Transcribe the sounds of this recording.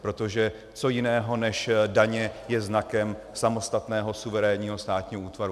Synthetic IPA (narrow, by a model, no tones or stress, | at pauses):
pɾo̞t̪o̞ʒɛ | t͡so̞jɪnɛːɦo̞nɛʃdaɲɛjɛznakɛm | samo̞st̪at̪nɛːɦo̞suvɛɾɛːɲiːɦo̞st̪aːt̪ɲiːɦouːt̪vaɾu